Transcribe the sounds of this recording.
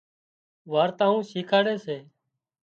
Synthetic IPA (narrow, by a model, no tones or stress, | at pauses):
ʋaːɾt̪ãːũːʃiːkʰaːɽeːseː